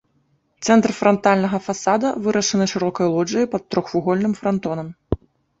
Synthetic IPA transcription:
t̪sɛnt̪rfɾɐnt̪alʲnɐɣɐfasad̪ɐvɨɾʔɐʂɨnɨʂɨɾɔkɐjlˠɔd͡ʐɐjpɐt̪ːɾɔxfuɣɔlʲnɨmfɾɐnt̪ɔnɐm

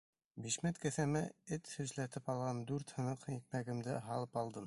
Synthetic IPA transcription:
biʃmæt̪kæ̆θæmæɘt̪hɵ̆zlæt̪ɘpɑlˠʁɑnd̪ʉɾt̪hɤ̆nɤqik̚mæɡɘ̆md̪ɘɦɑlˠɤpɑlˠd̪ɤm

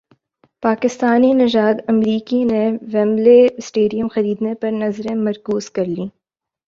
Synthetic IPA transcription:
paːkɪst̪aːninɐd͡ʒaːd̪ɐmɾiːkineʋɛ̃ːmlesʈeːɖijəmxɐɾiːd̪nepɐɾnɐzɾẽmɐɾkuːzkɐɾliː

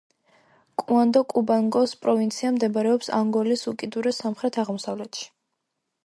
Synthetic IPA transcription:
kʼuand̪ɔkʼubaŋɡɔspʼɾɔvint̪sʰiamd̪ɛbaɾɛɔpsa̰ŋɡɔlisukʼid̪uɾɛsamχɾɛt̪ʰaʁmɔsavlɛt̪ʃi̥

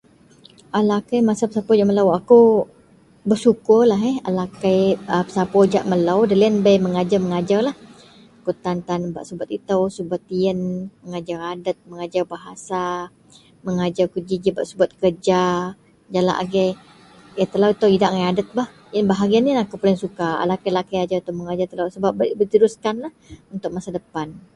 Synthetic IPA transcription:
ʔalakajmasapəsapɔd͡ʒaʔməlawakow | bərsukʊrlaɦɛalakajəpə̥sapɔd͡ʒa̰ʔməlawdalənbəjməŋad͡ʒarməŋad͡ʒarlah | akut̪ant̪anba̰ʔsubat̪it̪əwsubat̪iənməŋad͡ʒaradət̪̚məŋad͡ʒarbaɦasa | məŋad͡ʒarkud͡ʒid͡ʒibaʔsubat̪̚kərd͡ʒa | d͡ʒala̰ʔa̰ɡɛ | jat̪əlawit̪əwidaʔŋajadət̪̚bah | jənbaɦaɡianinakopolɪŋsukaa̰lakalakajad͡ʒait̪əwməŋad͡ʒart̪əlawsəbap̚bbit̪əɾuskanlahunt̪ʊk̚masadəpan

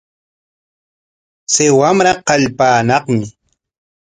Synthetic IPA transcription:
sɪwamɾaqɑʎpaːnɑχmɪ

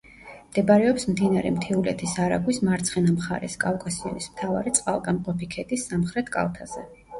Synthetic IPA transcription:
md̪̥ɛbaɾɛɔpsmd̪inaɾɛmt̪ʰiulɛ̰t̪ʰisaɾa̰ɡwismaɾt̪sʰχɛnamχa̰ɾɛ̰skʼafkʼasia̰nismt̪ʰava̰ɾit̪sʼqʼalˠɡamqʼɔpikʰɛd̪isːamχɾɛt̪ʰkʼa̰lˠt̪ʰaz̥ɛ

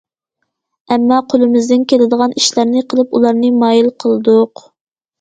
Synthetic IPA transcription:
ɛmːɑqʰolˠɨmɪzd̪ɪnkʲʰelɪd̪əʁɑniʃlæɾnɪqʰəlˠɨpulˠɑɾnɨmɑːjilqʰəlˠɨd̪uq

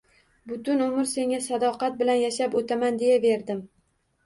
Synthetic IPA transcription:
bʊt̪ʊnʊmɪɾse̞ŋʲasad̪ɒqɑt̪̚bɪlanjaʃapot̪ʰamand̪e̞jave̞ɾd̪ɪm

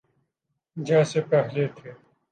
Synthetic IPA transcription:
d͡ʒɛːsepɛɦlet̪ʰeː

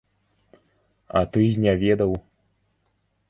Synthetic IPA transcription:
ɐ̰t̪ɨnʲavʲɛd̪ɐw

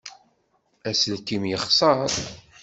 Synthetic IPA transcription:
æsəlt̪imjəχsˤɑɾˤ

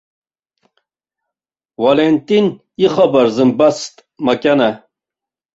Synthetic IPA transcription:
walent̪in | iχɔbɐɾzɨmbɐst̪ | mɐkʲana

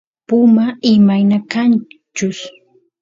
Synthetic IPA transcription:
pʊmaɪmajnakant͡ʃʊs

